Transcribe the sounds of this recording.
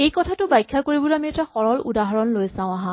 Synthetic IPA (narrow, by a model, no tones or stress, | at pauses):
ejkɔtʰatʊbajkʰːakoɹibɔlametaxɔɹɔlṵdaɦaɹɔnlojsãʊ̃aɦã